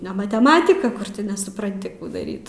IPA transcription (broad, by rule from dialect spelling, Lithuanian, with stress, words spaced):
nʲɛ mɐtʲɛˈmɑːtʲɪkɐ ˈkʊr tʲɪ nʲɛsʊprɐnʲˈtʲɪ ˈkuː dɐˈrʲiːt